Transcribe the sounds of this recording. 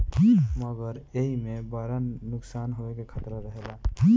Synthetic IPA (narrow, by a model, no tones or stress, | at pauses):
məɡəɾeɦimebəɾənːʊksaːnɦoekekʰət̪ɾəɾəɦela